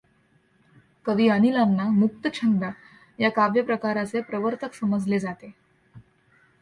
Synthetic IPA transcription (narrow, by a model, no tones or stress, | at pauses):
kəd̪iːənilanːamuk̚t̪ət͡ɕʰənd̪a | jakaʋjəpɾəkaɾat͡sepɾəʋəɾt̪əksəməd͡zled͡zat̪e